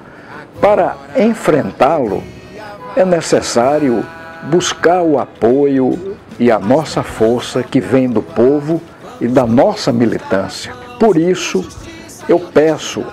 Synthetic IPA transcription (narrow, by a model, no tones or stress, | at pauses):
paɾɐẽfɾẽnt̪alʊ̰ | ɛnesesaɾiʊ | buskaɾʊapojʊɪɐnɔsɐfoɾsɐkɪvẽj̃d̪ʊpovʊ | ɪd̪ɐnɔsɐmilḭt̪ɐ̰̃siɐ | poɾisʊ | ewpɛsʊ̰